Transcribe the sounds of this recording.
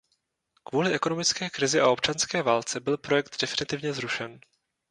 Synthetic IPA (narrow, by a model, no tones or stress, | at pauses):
kvuːlɪʔɛko̞no̞mɪt͡skɛːkɾɪzɪʔao̞pt͡ʃanskɛːvaːlt͡sɛbɪlpɾo̞jɛk̚t̪dɛfɪnɪt̪ɪvɲɛzɾuʃɛn